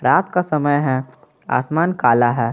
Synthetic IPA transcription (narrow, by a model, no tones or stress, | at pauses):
ɾaːt̪kasɐməjɦɛ | a̰ːsmaːnkaːlaɦɛː